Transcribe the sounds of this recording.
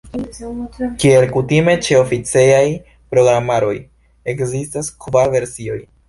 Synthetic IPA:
kie̞lkutime̞t͡ʃe̞o̞fit͡seaj | pɾo̞ɡɾamaɾo̞j | e̞kzistaskvaɾve̞ɾsio̞j

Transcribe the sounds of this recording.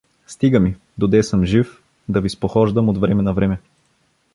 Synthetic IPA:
st̪iɡəmi | d̪od̪ɛsəmʒif | d̪ɐvispoxɔʒd̪əmod̪vɾɛmɛnɐvɾɛmɛ

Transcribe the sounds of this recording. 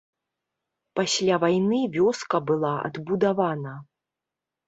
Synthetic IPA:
pasʲlʲavajnɨvʲɔskɐbɨlˠaɐ̰d̪bud̪avanɐ

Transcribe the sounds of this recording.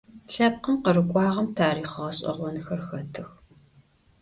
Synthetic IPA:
ɬɐp̚qəmqərɨkʷʼɑːʁɐmtʰaːɾiːχɐʁɐɕʼɐ̰ʁʷɔnxɐrxɐtʰɨx

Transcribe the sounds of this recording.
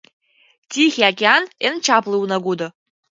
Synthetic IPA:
tʰixʲiakʲʼeanent͡ʃʰaplˠɨwnaɡʷud̪ɨ

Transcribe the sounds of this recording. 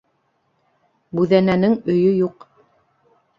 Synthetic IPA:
bʉðænænɘŋɵ̆jɵjuq

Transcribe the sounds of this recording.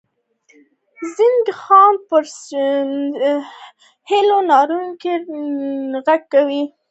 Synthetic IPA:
zind̪əxɑnpəɾ | hɪlonɑɾuŋke | ɣaɡ̚kawi

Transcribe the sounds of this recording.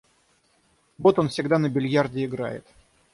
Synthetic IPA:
vot̪o̞nfsʲɪɡd̪anəbʲɪlʲjardʲɪɪɡɾa̰jɪ̰t̪

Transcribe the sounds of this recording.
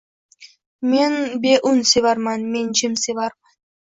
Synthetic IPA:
menbe̞ʔʊnsevaɾmanme̞nd͡ʒɪmsevaɾman

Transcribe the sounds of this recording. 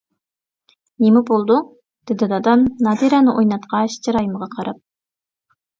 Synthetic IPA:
nimɪbolˠd̪u | d̪̥ɪd̪ɪd̪ɑd̪ɑmnɑd̪iɾɑnɨʔojnɑt̪qʰɑʃt͡ʃʰɑɾɑjiməʁɑqʰɑɾɑp̚

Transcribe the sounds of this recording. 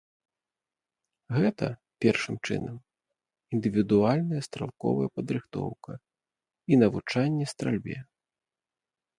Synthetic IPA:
ɣɛt̪ɐ̰ | pʲɛrʂɨmt͡ʂɨ̰nɐm | ind̪ɨvʲid̪ualʲnɐjɐst̪ɾa̰lˠkɔ̰vɐjɐpɐd̪ɾɨxt̪ɔ̰wkɐ | inɐvut͡ʂanʲːɛst̪ɾalʲbʲɛ̰

